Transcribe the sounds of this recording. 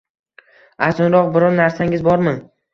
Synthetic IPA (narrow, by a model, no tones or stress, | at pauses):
at̪ɒnɾɒqbɪɾɒɾnaɾsaŋʲɪzbɒɾmɪ